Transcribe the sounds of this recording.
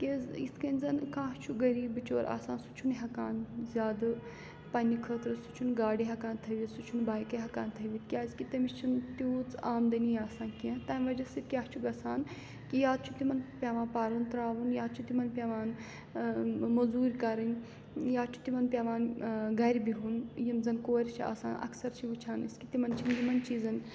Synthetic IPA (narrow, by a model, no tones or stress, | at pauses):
kʲezḭst̪ʰkɐnʲzɐnkãːɦt͡ʃʰuɡɐɾiːbɨt͡ʃoːɾʔa̰ːsãːnsu̥t͡ʃʰunɦɐkaːnzʲaːd̪ɨ | pɐnʲikʰəːt̪ɾɨsu̥t͡ʃʰunɡaːɽiɦɐkaːnt̪ʰɐʋʲit̪sut͡ʃʰunbaːjkɐɦɐkaːnt̪ʰɐʋʲit̪̚kʲiaːzkit̪ɐmist͡ʃʰunt̪uːt͡saːmd̪ɐniaːsãːnkiɐ̃t̪ɐːnʲʋɐd͡ʒɐsit̪̚kʲaːht͡ʃʰuɡɐsaːn | kijaːd̪̚t͡ʃʰut̪imɐnpʲaːʋãːnpaːɾunt̪ɾaːʋunjaːd̪̚t͡ʃʰut̪imɐnpʲaʋaːn | mɐzuːɾʲkɐɾɐnʲ | jaːt͡ʃʰu̥t̪imɐnpʲjaːʋaːnɡɐɾʲbiɦunjimzɐnkoːɾʲt͡ʃʰia̰ːsa̰ːnʔɐ̰ksɐɾt͡ʃʰiʋut͡ʃʰaːniskit̪imɐnt͡ʃʰinɡimɐnt͡ʃiːzɐn